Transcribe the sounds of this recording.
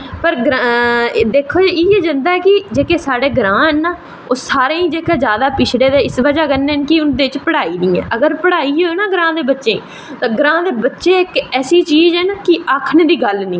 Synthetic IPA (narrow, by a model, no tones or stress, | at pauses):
pəɾɡɾad̪eːkʰːoːd͡ʒiːeːd͡ʒə̃nd̪aːɛːkɪd͡ʒeːkeːsaːɽeːɡɾãːɦɛːnːaː | oːsaːɾeːĩːd͡ʒeːkeːd͡ʒjaːd̪aːpɪt͡ʃʰɽeːd̪eːɪsʋəd͡ʒaːkənːeːɛnkɪʊnd̪eːɪt͡ʃpəɽaːiːd̪ĩːɛ̰̃ːʔəɡəɾpəɽaːiːoːnaːɡɾãːd̪eːbətːʃẽː | t̪aːɡɾãːd̪eːbətːʃeːɪkɛːsiːt͡ʃiːd͡ʒɛːnakɪaːkʰnẽːd̪iːɡəlnĩː